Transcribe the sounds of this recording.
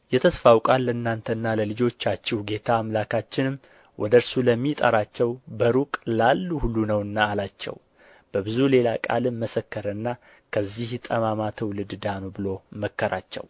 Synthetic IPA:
jɛt̪ʰəsfawkʼalːəɨnːant̪ʰənːaləlɨd͡ʒo̞t͡ʃːat͡ʃːɛwɡe̞t̪ʰaːmlakʰat͡ʃːɪnɨm | wʔɔd̪əɾsuləmːit̪ʼə̰ɾat͡ʃːɛwbəɾukʼlalːuhulːunəwɨnːaːlat͡ʃːɛ̰w | b̥əbɨzule̞lakʼa̰lɨmːəsəkːəɾəɨnːa | kʰəzːiht̪ʼəmamat̪ʰəwlɨd̪d̪anubɨlo̞məkːəɾa̰t͡ʃːɛ̰w

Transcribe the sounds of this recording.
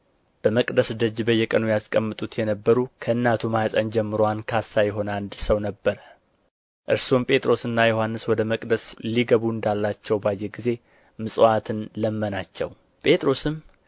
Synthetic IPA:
b̥əməkʼd̪əsd̪əd͡ʒːbəjːɛkʼənujaskʼəmːɨt̪ʼut̪jɛnəbːəɾukʰəɨnːat̪ʰumahasʼənd͡ʒɛmːɨɾoankʰasːajɛɦo̞nand̪səwnəbːəɾə | ʔɨ̰ɾsompʼe̞t̪ʼɾo̞sɨnːajohanːɨswɔd̪əməkʼd̪əsliɡəβuɨnd̪alːat͡ʃːɛwbajːeɡize̞ | mɨsʼoat̪ʰɨnləmːənat͡ʃːɛ̰w | pʼe̞t̪ʼɾo̞sɨm

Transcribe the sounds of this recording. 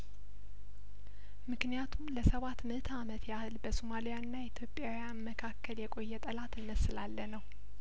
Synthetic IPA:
mɨknijat̪ʰumləsəβat̪mət̪ʰamət̪ʰjahɨlbəsomalijanːait̪ʰjo̞pʼjawjanməkʰakʰːəljɛkʼo̞jːɛt̪ʼəlat̪ɨnːəsɨlalːənəw

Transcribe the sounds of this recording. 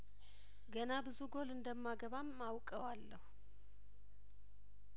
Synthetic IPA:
ɡənabɨzuɡo̞lɨnd̪əmːaɡəβamːawkʼəwalːəhu

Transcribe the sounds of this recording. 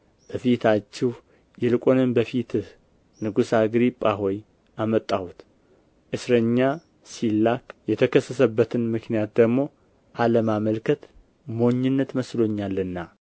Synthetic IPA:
b̥əfit̪ʰat͡ʃːɛh | jɪlkʼonɨmbəfit̪ʰɨh | nɨɡusaɡɾipʼːaɦo̞j | ʔamət̪ʼːawut̪ | ʔɨsɾəɲːa | silːakjɛt̪ʰəkʰəsːəsəbːət̪ʰɨnmɨknijat̪̚d̪əɡmo̞ | ʔaləmaməlkʰət̪ | mo̞ɲːɪnːət̪məslo̞ɲːalːɨnːa

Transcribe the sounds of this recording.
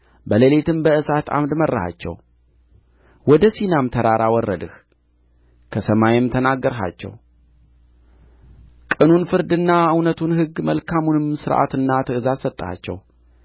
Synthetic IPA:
bəlelet̪ɨmbəɨsat̪a̰md̪mərːəha̰t͡ʃːɛ̰w | wɔd̪əsinamt̪ʰəɾaɾʔawɔrːə̰d̪ɨh | kʰəsəmajɪmt̪ʰənaɡːəɾɦa̰t͡ʃːɛ̰w | kʼɨnunfɨɾd̪ɨnːaɨwnət̪ʰunɦɨɡːməlkʰamunɨmsɨɾʔa̰t̪ɨnːat̪ʰɨɨzasət̪ʼːa̰t͡ʃːɛ̰w

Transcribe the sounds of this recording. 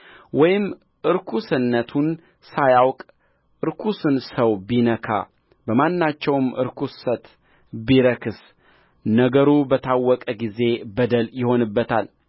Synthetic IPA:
wɔjɪm | ʔɨɾkʰusɨnːət̪ʰun | sajawkʼ | ʔɨɾkʰusɨnsəwbinəkʰa̰ | bəmanːat͡ʃːɛwmʔɨ̰ɾkʰussət̪ | biɾəkʰɨs | nəɡəɾubət̪ʰawːɔkʼəɡize̞bəd̪əljɪho̞nɨbːət̪ʰal

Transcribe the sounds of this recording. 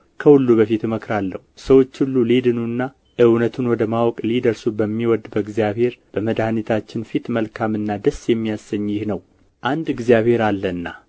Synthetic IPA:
kʰəhulːuβəfit̪məkɾalːəhusəwo̞t͡ʃːhulːuled̪ɨnunːa | ʔɨwnət̪ʰunwɔd̪əmawɔkʼlid̪əɾsubəmːiwɔd̪ːbəɨɡzijaβhe̞ɾb̥əməd̪ahnit̪ʰat͡ʃːɪnfit̪məlkʰamɨnːad̪əsjɛmːijasːəɲːjɪhnəw | ʔand̪ɨɡzijaβhe̞ɾalːənːa̰

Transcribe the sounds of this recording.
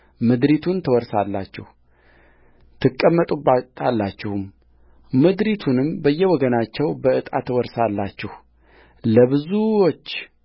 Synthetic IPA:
mɨd̪ɾit̪ʰunt̪ʰəwɔɾsalːa̰t͡ʃːɛhu | t̪ʰɨkʼːəmːət̪ʼubat̪ʰalːat͡ʃːɛhum | mɨd̪ɾit̪ʰunɨmbəjːɛwɔɡənat͡ʃːɛwbəɨt̪ʼat̪ʰːəwɔɾsalːat͡ʃːɛh | ləβɨzuwot͡ʃː

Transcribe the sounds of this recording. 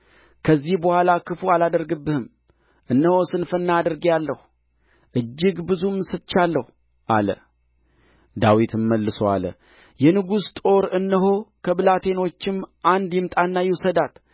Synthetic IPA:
kʰəzːihbəhʷalakʰɨfualad̪əɾɡɨbːɨhɨm | ʔɨnːəho̞sɨnfənːaːd̪əɾɡjalːəh | ʔɨd͡ʒːɪɡbɨzumsɨt̪t͡ʃːalːəhu | ʔa̰lə̰ | d̪awit̪ʰɨmːəlːɨsoa̰lə̰ | jɛnɨɡust̪ʼo̞ɾɨnːəɦo̞kʰəbɨlat̪ʰe̞no̞t͡ʃːɪmʔand̪jɛmt̪ʼanːajɛwsəd̪at̪

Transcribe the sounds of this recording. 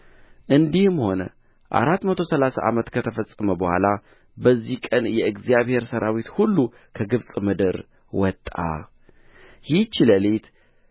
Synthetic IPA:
ʔɨnd̪ihɨmho̞nə̰ | ʔa̰ɾat̪ːmət̪ʰosəlasa̰ʔamət̪kʰət̪ʰəfəsʼːəməbəhʷa̰la | bəzːihkʼənjɛɨɡzijaβhe̞ɾsəɾʔawit̪hulːu | kʰəɡɨβsʼmɨd̪əɾ | wɔt̪ʼːa̰ | jiht͡ʃːiləlet̪

